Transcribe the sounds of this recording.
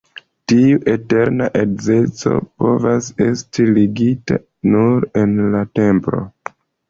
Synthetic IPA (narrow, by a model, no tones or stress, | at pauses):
tiuʔe̞te̞ɾnaʔekze̞t͡so̞̰po̞vase̞stʰiliɡita | nuɾe̞nlate̞mpɾo̞̰